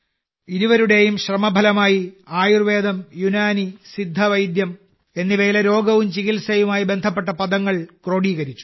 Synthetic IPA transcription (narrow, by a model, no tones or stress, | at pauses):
iɾuʋɐɾuɽe̞jumɕrɐmɐbʱɐlɐmaːjiaːjurʋe̞ːd̪ɐmjunaːnisid̪ʱːɐʋɐjd̪jɐm | e̞nːiʋe̞ːlɐɾo̞ːɡɐʋumt͡ɕiɣilsɐjumaːjibe̞nd̪ʱɐp̬ːe̞ʈːɐpɐd̪ɐŋːɐɭkro̞ːɽiːɣɐɾit͡ɕːu̥